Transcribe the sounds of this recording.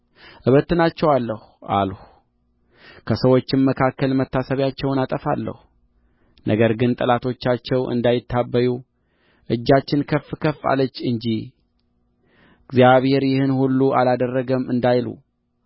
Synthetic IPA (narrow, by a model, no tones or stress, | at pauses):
ʔɨβət̪ːɨnat͡ʃːɛwalːəhuʔa̰lh | kʰəsəwo̞t͡ʃːɪmməkʰakːəlmət̪ːasəβjat͡ʃːɛwnat̪ʼəfa̰lːə̰hu | nʔəɡəɾɡɨnt̪ʼəlat̪ʰo̞t͡ʃːat͡ʃːɛwʔɨ̰nd̪ajɪt̪ʰːabːəju | ʔɨd͡ʒːat͡ʃːɪnkʰəfːɨkʰəfːa̰lːət͡ʃːɨɲd͡ʒi | ɡzijaβhe̞ɾjɪhɨnhulːuʔalad̪ərːəɡəmɨnd̪ajlṵ